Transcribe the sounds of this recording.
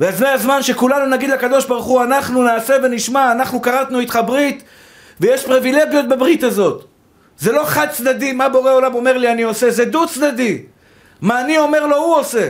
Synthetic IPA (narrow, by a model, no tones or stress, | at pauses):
veazeazmanʃe̞kulanunaɡid̪lekad̪o̞ʃbaʁuχuanaχnunaːse̞ve̞niʃmaːnaχnukaʁat̪nuit̪χabʁit̪ | vejeʃpʁivile̞ɡjo̞t̪̚bebʁit̪azo̞t̪ | ze̞lo̞χad̪̚t͡sd̪ad̪imabeoʁeo̞lamo̞me̞ʁlianio̞se̞zed̪ut͡sd̪ad̪i | maːnio̞me̞ʁlo̞huose̞